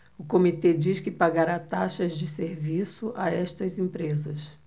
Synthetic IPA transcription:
ʊkomit̪ed͡ʒiʃkɪpaɡaɾat̪aʃɐzd͡ʒɪseɾvisʊʔaɛʃt̪ɐzẽpɾezɐs

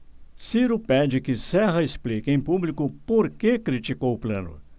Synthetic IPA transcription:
siɾʊpɛd͡ʒɪkɪsɛɦɐesplikɪẽj̃publikʊpoɾkekɾit͡ʃikowʊplɐ̰̃nʊ̰

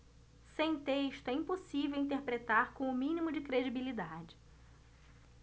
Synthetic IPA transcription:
sẽj̃t̪eʃt̪ʊɛĩposivewĩt̪̬eɾpɾet̪aɾkõw̃ʊmĩnimʊd͡ʒɪkɾed͡ʒibilid̪ad͡ʒɪ̥

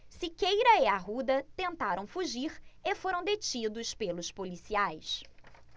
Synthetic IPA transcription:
sɪkejɾɐɛaɦud̪ɐt̪ẽnt̪aɾʔɐ̃w̃fuʒiɾefoɾɐ̃w̃d̪et͡ʃid̪ʊspelʊspolisiajs

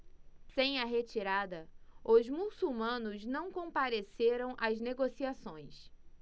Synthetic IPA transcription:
sẽj̃ɐɦet͡ʃiɾad̪ɐʊzmusuwmɐ̃nʊznɐ̃w̃kõpaɾeseɾɐ̃w̃ʔɐzneɡosiasõj̃s

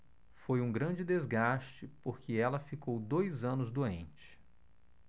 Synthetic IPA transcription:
fojũɡɾɐ̃nd͡ʒɪd̪ezɡast͡ʃɪpoɾkɪɛlɐfikowd̪ojzɐ̃nʊzd̪oẽnt͡ʃɪ̥

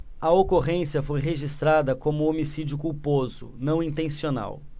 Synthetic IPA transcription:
ɐokoʁẽsiɐfojɦeʒist̪ɾad̪ɐkõmʊomisid͡ʒiʊkuwpozʊ̰nɐ̃w̃ĩnt̪ẽsiona̰w

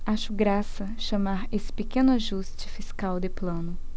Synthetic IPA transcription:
aʃʊɡɾasɐʃɐmaɾesɪ̥pekẽnʊaʒust͡ʃɪ̥fiskawd̪ɪplɐ̃nʊ

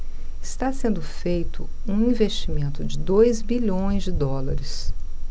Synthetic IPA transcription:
ɪst̪asẽnd̪ʊfejt̪ʊ | ũĩvest͡ʃimẽnt̪ʊd͡ʒɪd̪ojzbiʎõj̃zd͡ʒɪd̪ɔlɐɾɪs

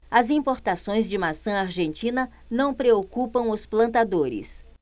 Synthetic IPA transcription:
ɐzĩpoɾt̪asõj̃zd͡ʒɪmasɐ̃aɾʒẽnt͡ʃĩnɐ | nɐ̃w̃pɾeokupɐ̃w̃ʊsplɐ̃nt̪ad̪oɾɪ̰s

